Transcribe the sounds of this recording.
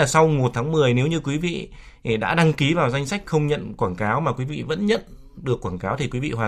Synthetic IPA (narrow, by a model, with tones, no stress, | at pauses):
aː˨˩sa˧wmo˨˩t̚t̪ʰaː˨˦ŋmɨ˨˩əjne˨˦wɲɨ˧kwi˨˦vḭ˧˨˩ | ɗa̰ː˧˥ɗa˧ŋki˨˦vaː˨˩wza˧jŋ̟sa˦˥jk̟̚xə˧wŋ͡mɲə̰˧˨nkwaː˧˩nkaː˨˦wmaː˨˩kwi˨˦vḭ˧˨və̰˧˥nɲə̰˧˨n | ɗɨ˨˩əkːwaː˧˩nkaː˨˦wt̪ʰi˨˩kwi˨˦vḭ˧˨hwaː˨˩